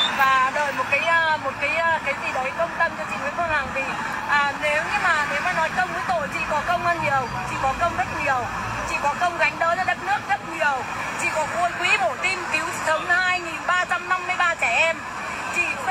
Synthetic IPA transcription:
vaː˨˩ɗə̰ː˧˨jmo˨˩t̚kaː˨˦jʔəː˧mo˨˩t̚kaː˨˦jʔəː˧kaː˨˦jtḭ˨˩ɗə˨˦jkə˧wŋ͡mt̪ə˧mt͡ɕɔ˧t͡ɕḭ˧˨nə˨˦kɔ˧la˨˩ŋt̪ʰi˨˩ | ʔəː˨˩ne˨˦wɲɨ˧maː˨˩ne˨˦wmaː˨˩nɔ˨˦jkə˧wŋ͡mu˨˦jt̪o̰˧˨jt͡ɕḭ˧˨kɔ˨˦kə˧wŋ͡mʔaː˧nɲi˨˩əwt͡ɕḭ˧˨kɔ˨˦kə˧wŋ͡mzə˦˥t̚ɲi˨˩əw | t͡ɕḭ˧˨kɔ˨˦kə˧wŋ͡mɣa˨˦jŋ̟ɗə̰ː˧˨˦zəː˧ɗə˦˥t̚nɨ˦˥ək̚zə˦˥t̚ɲi˨˩əw | t͡ɕḭ˧˨kɔ˨˦vu˧əjkwi˨˦ɓo˧˩t̪i˧mki˨˦wsə˨˦wŋ͡mna˨˦haː˧jŋi˨˩nɓaː˧t͡ɕa˧mna˧mːɨ˧jɓaː˧t͡ɕɛː˧˩ʔɛ˧m | t͡ɕḭ˧˨

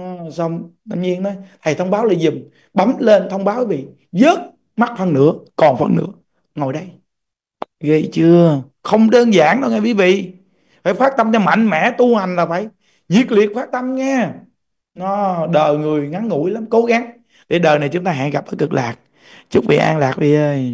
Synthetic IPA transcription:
sə˧wŋ͡mt̪a˧ɲi˧ənɔ˨˦jt̪ʰə˨˩jt̪ʰə˧wŋ͡mɓaː˨˦wla˨˩zʊ˨˩m | ɓa˨˦mle˧nt̪ʰə˧wŋ͡mɓaː˨˦wki˨˦vḭ˧˨ | zəː˦˥t̚ | ma˦˥t̚fə˧nːɨ̰˧˥əkɔ˨˩nfə˧nnɨ̰˧˥ə | ŋo˨˩jɗə˧j | ɣi˧˩t͡ɕɨ˧ə | xə˧wŋ͡mɗəː˧nzaː˧˩ŋɗə˧wŋaː˨˩jwi˨˦vḭ˧˨ | faː˨˩jfaː˦˥k̚t̪ə˧mt͡ɕɔ˧ma̰˧˨jŋ̟mɛ̰˧˥t̪u˧ha˨˩jŋ̟laː˨˩faː˧˦j | ɲi˨˩ək̚li˨˩ək̚faː˦˥k̚t̪ə˧mŋɛː˧ | nɔ˨˦ɗəː˨˩jŋɨ˨˩əjŋa˨˦nŋṵ˧˩˥jla˨˦mko˨˦ɣa˨˦ŋ | ɗe˧˩ɗəː˨˩na˨˩jt͡ɕʊ˨˦ŋ͡mt̪aː˧ɦaː˧˨ŋɣa˨˩p̪̚əː˨˦jkɨ˨˩k̚laː˨˩k̚ | t͡ɕɨ˦˥k̚vḭ˧˨ʔa̰ː˧ŋlaː˨˩k̚vi˨˩ʔəː˧j

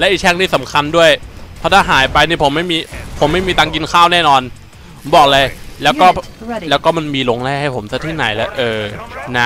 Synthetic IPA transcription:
lɛ˦˥ʔi˨˩k̚kʰɛ˦˥˩ŋniː˥˩sa˩˦mkʰa˧ndu˥˩əjpʰɔː˦˥t̪ʰaː˥˩ɦaː˩˦jpa˧jniː˥˩pʰo˩˦mːa˥˩jmiː˧pʰo˨˩˦mːa˥˩jmiː˧t̪aː˧ŋk̬i˧nkʰaː˥˩wnɛː˥˩nɔː˧n | bɔː˨˩k̚lɤː˧jlɛː˦˥wkɔː˥˩ | lɛː˦˥wkɔː˥˩ma˧nmiː˧lo˧ŋlɛː˧˩ha˥˩jpʰo˩˦msa˧˥t̪ʰiː˥˩na̰˩˦jlɛː˦˥ʔɤː˧˩na˦˥˩

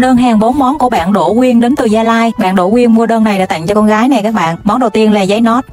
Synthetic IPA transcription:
ɗəː˧nɦaː˨˩ŋɓo˨˦nmɔ˨˦nku˧˩əɓa̰ː˧˨nɗo̰˧˩kwi˧ənɗe˨˦nt̪ɨ˨˩zaː˧laː˧jɓa̰ː˧˨nɗo̰˧˩kwi˧ənmu˧əɗəː˧nːa˨˩jɗaː˧˥˩t̪a̰˧˨ŋ̟t͡ɕɔ˧kɔ˧nɣaː˨˦jna˨˩jkaː˦˥k̚ɓa̰ː˧˨nmɔ˨˦nɗə˨˩wt̪i˧ənlaː˨˩zə˨˦jnɔ˦˥t̚

